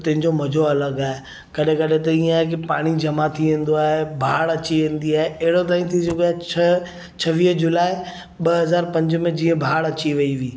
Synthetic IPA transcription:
t̪ɐ̃ɦɪ̃ɲd͡ʑomɐd͡ʑʱoɐləɡaːɦe | kɐɗẽkɐɗẽt̪ɐiːãek̬epaːɽ̃id͡ʑɐmat̪ʰiʋẽːn̆d̪oaːɦebʱaːɽɐt͡ɕiʋẽːn̆d̪iaːɦeɐɦɪɽot̪̬aːĩt̪ʰisokaːɐ | t͡ɕʰɐʋiːɦd͡ʑʊlaːɪ | ɓɐɦɐzaːɾpɐ̃ɲd͡ʑmẽd͡ʑĩːə̃bʱaːɽɐt͡ɕiʋɐiʋiː

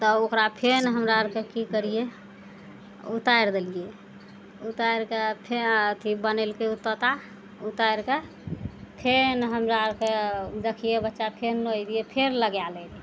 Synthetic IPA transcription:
t̪ɔokɾapʰenɦəmɾaəɾkekikəɾije | ut̪aɾd̪elije | ut̪aɾkepʰet̪ʰibənelkeut̪ːət̪a | ut̪ajɾke | pʰenɦəmɾaəɾked̪ekʰijebətːʃapʰenːoid̪ijepʰeɾləɡjalel

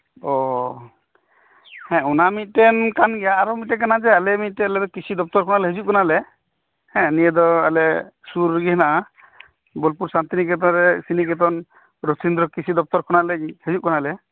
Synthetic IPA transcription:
ɔ | hɛ̃unamit̪̚tɛnkanɡɛjaːɾɔmitɛk̬anad͡ʒɛalɛmit̪̚tɛːlɛd̪ɔkisid̪ɔp̚t̪ɔɾkʰɔnalɛɦezuʔ̚kɔnalɛ | hɛ̃nijɛd̪ɔa̰lɛsuɾɡiɦɛnaʔa | bɔlpuɾsant̪inik̬ɛt̪ɔɾɛsinik̬ɛt̪̬ɔn | ɾot̪ʰind̪ɾɔkisid̪ɔp̚t̪ɔɾkʰɔnalɛhezuʔ̚kɔnalɛ

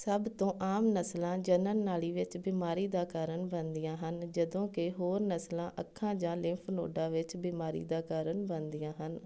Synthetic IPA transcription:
səbt̪õːʔaːmnəslãːd͡ʒənənːaːliːʋɪt͡ʃbiːmaːɾiːd̪aːkaːɾəɳbənd̪ijãːɦənd͡ʒəd̪õːkɪɦoːɾnəslãːʔəkʰːãːd͡ʒãːlɪ̃ːpʰno̰ːɖãːʋɪt͡ʃbiːmaːɾḭːd̪aːkaːɾəɳbənd̪ɪjãːɦən

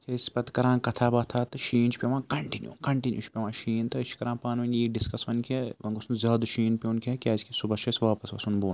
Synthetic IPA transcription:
t͡ʃʰespɐt̪kɐɾãːkɐt̪ʰaːbɐt̪ʰaːt̪ɨʃiːnt͡ʃʰpʲeʋãːkɐɳʈinjṵːkɐɳʈinjṵːt͡ʃʰpʲeʋãːʃiːnt̪ɨt͡ʃʰkɐɾãːpaːnʋɐnʲjiːɖiskɐsʋɐnkʰeʋɐŋɡusnzʲaːd̪ʃiːnpʲeunkʲʰɐkʲaːzkʰʲisubɐʃʰɐsʋaːpɐsʋɐ̰sunboːn

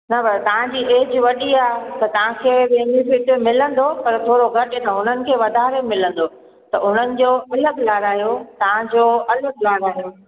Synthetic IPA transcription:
nɐbɐɾt̪ɐʋ̤ãd͡ʑiːʔeːd͡ʑʋɐɗiaːɦt̪ɐt̪ɐʋ̤ãkʰeːɓẽɦɪ̃nifɪʈmɪlə̃nd̪opɐɾt̪ʰoːɾoɡʱɐʈɪt̪ɐɦʊn̤ənɪ̆kʰeːʋɐd̪ʱaːɾemɪlə̃nd̪o | t̪ɐʊn̤ənɪ̆d͡ʑoːɐləɡlaːɾaːɦijot̪ɐʋ̤ãd͡ʑoːɐləɡlaːɾaːɦijo

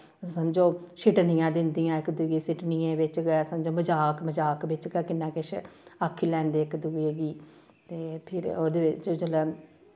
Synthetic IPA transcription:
səmd͡ʒoːsɪʈnijãːd̪ɪnd̪ijãːɪkd̪uɡeːsɪʈnijẽːʋɪt͡ʃɡɛsəmd͡ʒõːməd͡ʒaːkməd͡ʒaːkʋɪt͡ʃɡɛːkɪnːãːkɪʃakʰːiːlɛ̃ːnd̪eːɪkd̪uɡeɡiː | t̪eːpʰɪɾoːd̪eːʋɪt͡ʃd͡ʒəlɛ

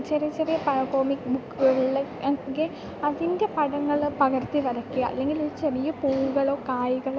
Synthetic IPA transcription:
t͡ɕeɾijɐt͡ɕerijɐpɐɐkoːmikːbukːuɣɐɭuɭːeeɡi | ɐðinde̞pɐɽɐŋːɐɭpɐɣɐrt̪iʋɐɾɐkːiɣɐɐ̰lːe̞ŋɡiloɾut͡ɕerijɐpuːuɣɐɭo̞ːkaːjiɣɐɭo

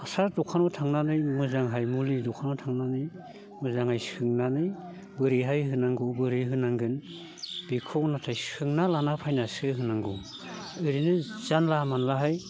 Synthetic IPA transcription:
asaɾdɔkʰanɔtʰaŋnanɯjmɯzaŋɦajmulidɔkʰanɔtʰaŋnanɯj | mɯzaŋajsɯŋnanɯj | bɯɾiɦajɦɯnaŋɡɯbɯɾɯɦɯnaŋɡɯn | bikʰɔwnatʰajsɯŋnalanapʰajnasɯɦɯnaŋɡɔ | ɯɾinɯzanlamanlaɦaj

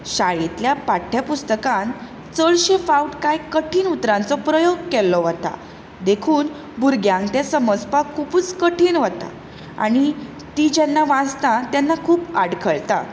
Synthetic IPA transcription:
ɕaɭit̪ljapaʈʰːjapust̪əkan | t͡səɭɕefauʈkajkəʈʰiːnut̪ɾãnt͡sɔpɾəjoɡ̚kɛlːɔʋət̪a̰ | d̪ekʰuːn | buɾɡjãŋkt̪jesəməd͡zpakʰupuːt͡skəʈʰiːnʋət̪a̰ | a̰ɽ̃i | t̪iːd͡ʑɛnːaʋãd͡zt̪ãt̪janːakʰuːpaɽkʰəɭt̪a̰

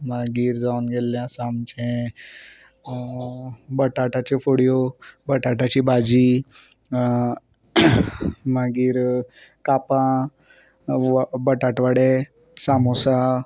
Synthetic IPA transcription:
mãɡiːɾzaːnɡelːãsaːmt͡ʃẽ | bɐʈaːʈat͡ʃifʊɽijobɐʈaːʈat͡ʃibaːd͡ʒi | mãɡiːɾ | kaːpã | bɐʈaːʈʋaɽe | saːmõsã

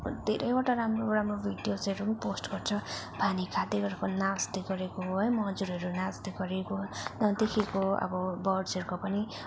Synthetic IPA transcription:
d̪ʱeɾʌjoʈaɾamroramrobʱid̪jot͡seɾunposʈɡʌrt͡sʰʌbʱanikʰad̪eɡʌɾekonasd̪eɡʌɾekoɦɦʌjmʌd͡zuɾɦʌɾunasd̪eɡʌɾekonʌd̪ekʰekoʌ̰bʌbʌrɖsʌɾkopʌni

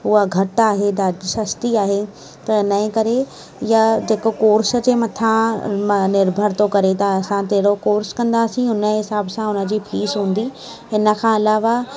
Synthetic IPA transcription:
ʊɦaɡʱɐʈaːɦed̪aːd͡ʑsɐst̪iaːɦe | t̪ɐɪnəẽkɐɾe | jad͡ʑeːkokoːɾsə̆d͡ʑeːmɐt̪ʰãmnɪɾbʱəɽt̪okɐɾet̪ɐːsãt̪ɐɦɪɽokoːɾskɐ̃nd̪aːsĩʊnə̆ɦɪsaːbsãʊnə̆d͡ʑiːpʰiːsɦũːn̆d̪i | ɦɪnə̆kʰãɪlaːʋa

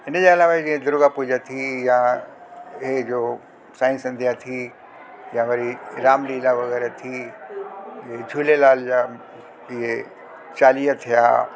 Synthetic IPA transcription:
ɪnəd͡ʑeɐlaːʋad͡ʑĩːɦẽd̪ʊɾʊɡapʊd͡ʑat̪ʰijã | ɦed͡ʑoː | sãːĩsɐ̃nd̪ʱjat̪ʰi | jãʋɐɾiɾaːmliːlaʋɐɣɛːɾet̪ʰi | d͡ʑet͡ɕʰuːlelaːld͡ʑaː | ɪɦe | t͡ɕaːlijat̪ʰija̰ː

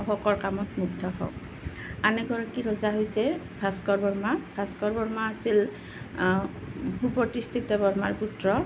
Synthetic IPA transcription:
ɔxɔkɔɹkamɔtmuɡdʰʱɔɦɔ̰ | anɛɡʱɔɹakiɹɔzaɦojsɛ | bʱaskɔɹbɔɹmabʱaskɔɹbɔɹmaːsil | ɦupɔɹtistʰitɔbɔɹmaɹputɹɔ

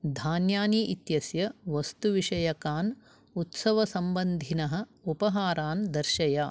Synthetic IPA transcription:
d̪ʱaːnjaːniʔit̪jɐsjɐʋɐst̪uʋiʂɐjɐkaːn | ut̪sɐʋɐsɐmbɐnd̪ʱinɐɦɐ̆upɐɦaːɾaːnd̪ɐɾʃɐjaː

